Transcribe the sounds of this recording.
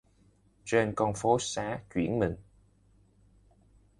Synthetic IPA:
t͡ɕe˧nkɔ˧nfo˨˦saː˨˦t͡ɕwḭ˧˩ənmï˨˩ŋ̟

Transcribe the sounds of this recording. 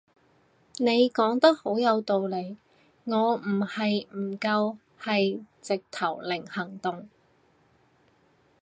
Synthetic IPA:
ne˨˧jkɔː˨˥ŋt̪ɐ˥k̚ho˨˥wjɐ˨˧wt̪o˨˧wle˨˧j | ŋɔː˨˧m̩˨˩hɐ˨jm̩˨˩kɐ˧w | hɐ˨jt͡sɪ˨k̚t̪ʰɐ˨˩wlɪ˨˩ŋhɐ˨˩ŋt̪ʊ˨ŋ

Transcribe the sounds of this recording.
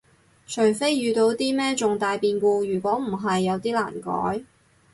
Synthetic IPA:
t͡ʃʰɵ˨˩jfe˥jːyː˨˧t̪o˧wt̪iː˥mɛː˥t͡sʊ˨ŋt̪aː˨˧jpiː˧nkuː˧jyː˨˩kʷɔː˨˥m̩˨˩ɦɐ˨jːɐ˨˧wt̪iː˥la̰ː˨˩nkɔ̰ː˨˥j

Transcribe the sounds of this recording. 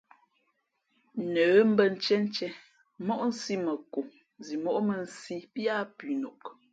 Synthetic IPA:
nə˨˦m̩˦bə˦n̩˦t͡ʃɛ˦n̩˦t͡ʃɛ˦ | mɔ˦ʔn̩˦si˦mə˨ko˨ | zi˨mɔ˦ʔmə˨n̩˦si˦pja˦pi˨no˨k

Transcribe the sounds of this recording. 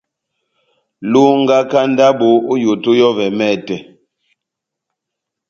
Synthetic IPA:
lu˦ŋ˦ɡa˦ka˦n˦da˦bo˨˦o˦jo˨to˦jɔ˦vɛ˨mɛ˦˨tɛ˨

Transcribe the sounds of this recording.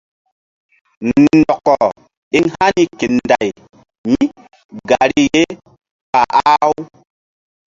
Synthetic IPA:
nɔ˨kːɔ˨ | e˦ŋha˦ni˦ke˨nda˨j | ɲi˦ | ɡa˨ɾi˦je˦ | ka˨ʔa˦w

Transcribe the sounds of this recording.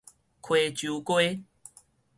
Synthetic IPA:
kʰwe˨t͡ɕju˨˦kwe˦

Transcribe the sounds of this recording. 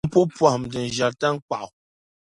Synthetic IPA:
pɔ˦pwa˨hmdə˨n̩˨d͡ʒa˨ta˦ŋ̩˦k͡pa̰˨ʔ

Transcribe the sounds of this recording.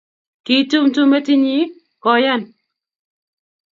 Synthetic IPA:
ki˨tu˦mtu˦me˦ti˦ɲi˦ | kɔ˨ja˦˨n

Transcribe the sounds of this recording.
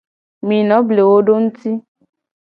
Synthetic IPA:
mĩ˨nɔ̃˨˦ble˨wo˦ɖo˦ŋũ˦t̪i˦

